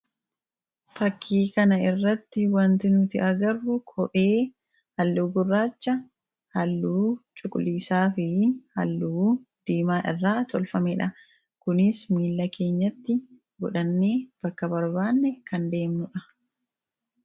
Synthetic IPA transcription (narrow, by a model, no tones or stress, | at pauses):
fɐkʰːiːkɐnɐɪrːɐt̪ːɪwɐnt̪ɪnʊt̪ɪʔɐɡɐrːʊkʰɔʔe̞ː | hɐlːuɡʊrːaːt͡ʃːɐ | hɐlːuːt͡ʃʼʊkʼʊliːsaːfɪhɐ̰lːuːd̪̥iːmaːʔɪ̰rːaːt̪ʰɔlfɐmeːᶑɐ | kʊnɪsmiːlːɐkʰe̞ːɲːɐt̪ːɪ | ɡɔᶑɐnːe̞ːb̥ɐkːɐbɐɾbaːnːɛkʰɐnd̪e̞ːmnʊᶑɐ